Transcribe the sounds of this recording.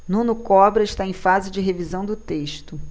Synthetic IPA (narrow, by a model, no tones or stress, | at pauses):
nũnʊkɔbɾɐɪʃt̪aẽj̃fazɪd͡ʒɪɦevizɐ̃w̃d̪ʊt̪eʃt̪ʊ